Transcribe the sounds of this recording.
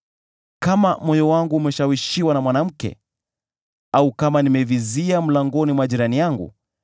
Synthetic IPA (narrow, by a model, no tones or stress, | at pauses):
kamamɔjɔwaŋɡuːmɛʃawiʃiwanamwanam̩kɛ̰ | aukamanimɛviziam̩laŋɡɔnimwaʄiɾanijaŋɡṵ